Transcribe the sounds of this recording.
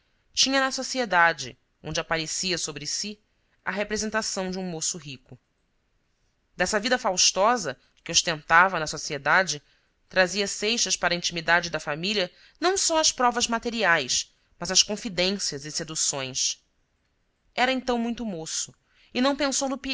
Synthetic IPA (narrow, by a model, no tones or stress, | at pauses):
t͡ʃĩɲɐnɐsosied̪ad͡ʒɪ | õnd͡ʒɪapaɾesiɐsobɾɪsi | ɐɦepɾezẽnt̪asɐ̃w̃d͡ʒɪũmosʊɦikʊ | d̪ɛsɐvid̪ɐfawʃt̪ɔzɐ | kɪʊʃt̪ẽnt̪avɐnɐsosied̪ad͡ʒɪ | t̪ɾaziɐsejʃɐʃpaɾɐĩnt͡ʃimid̪ad͡ʒɪd̪ɐfamilʲiɐ | nɐ̃w̃sɔɐspɾɔvɐzmat̪eɾiajʃ | mɐzɐʃkõfid̪ẽsiɐzɪsed̪usõj̃s | ɛɾɐẽnt̪ɐ̃w̃mũj̃t̪ʊmosʊ | ɪnɐ̃w̃pẽsownʊpi